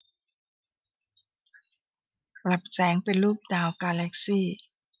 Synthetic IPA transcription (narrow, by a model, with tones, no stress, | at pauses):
la˨˩p̚sɛː˨˦ŋpe˨nluː˥˩p̚daː˨wkaː˧lɛ˦˥k̚siː˥˩